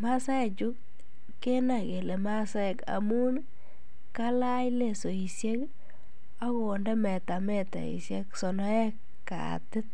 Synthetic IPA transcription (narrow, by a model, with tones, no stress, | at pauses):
ma˦sa˦ɛ˨t͡ʃu˦k̚ː | e˦na˨ke˨le˨ma˦sa˦˨ka̰˨mu˦n | ka˦la˦jle˨so˨i˨sje˦k | a˦ko˨ndɛ˦mɛ˨ta˨mɛ˦ta̰˨ḭ˨sje˦ksɔ˨nɔ˦ɛ˦k | ka̰˨tɪ˦t̚